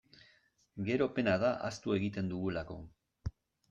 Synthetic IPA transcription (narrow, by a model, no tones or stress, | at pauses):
ɡe̞ɾo̞pe̞naðaʔast̪ue̞ɣit̪e̞nd̪uɣulako̞